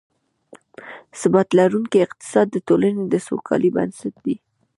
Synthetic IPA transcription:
sɪbat̪laɾuŋkiɪq̚t̪ɪ̥sɑd̪ːət̪olaned̪əso̰kʰɑ̰liba̰nsat̪̚d̪i

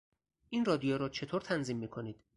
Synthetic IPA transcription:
ʔinrɒːd̪ijoɾɒːt͡ʃʰe̞t̪ʰoːɾt̪ʰænziːmːiːkʰo̞niːd̪̥

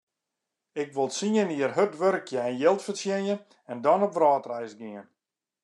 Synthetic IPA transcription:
ɪkʋolˠsiəniərɦødʋøɾkʰjəɛnjɪlˠtfərsjɛnjən | ɛndɔnopʋrɔːtrɛjsɡɪən

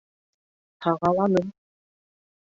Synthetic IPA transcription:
t̪ʰɑʁɑlˠɑnɤm

